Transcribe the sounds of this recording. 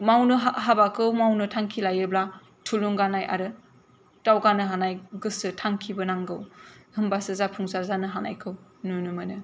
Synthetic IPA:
mawnɯɦaɦabakʰɯwmawnɯtʰaŋkʰilajɯbla | tʰuluŋɡanajʔa̰ɾɯ | tawɡanɯɦanajɡɯsɯtʰaŋkʰibɯnaŋɡɯwhɯmbasɯzapʰuŋsaɾzanɯɦana̰jkʰɯwnunɯmɯnɯ

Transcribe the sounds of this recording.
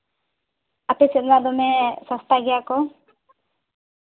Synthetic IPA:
atesjonad̪omesast̪aɣjako

